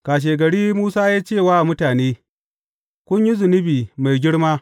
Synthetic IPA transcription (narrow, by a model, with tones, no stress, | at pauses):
kaː˨ʃ̬eː˨ɡɐ˨ɽiː˦muː˦saː˦jaː˦t͡ʃeː˦˨waː˦˨mʊ˦taː˨neː˦ | kʷʊ˦ɲji˦zʊ˨nɪ˦biː˨ma˨jɡʲɪ˦ɽmaː˦